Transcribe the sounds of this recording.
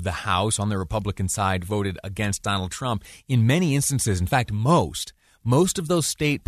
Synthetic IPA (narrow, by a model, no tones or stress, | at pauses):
vðɨhaʊsn̩ðɨɹɨpʰʌbləkɨ̃nsaɪdvoʊɾɨɾɨ̰ɡɛ̃nsd̥ɑnl̩ˠd̚tʰɹ̥ʌ̃mpɨ̃nmɛɾ̃iɪ̃nstnsɨzn̩fæk̚t̚moʊst | moʊstʌvðoʊz̥steɪt̚pʰ